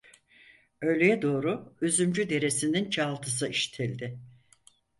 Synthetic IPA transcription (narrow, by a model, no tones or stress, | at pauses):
ø̞jlʲejɛd̪o̞ːɾʊyzymd͡ʒyd̪e̞ɾe̞sinint͡ʃʰalˠt̪ʰɯs̬ɯiʃi̥t̪ʰilʲd̪ɪ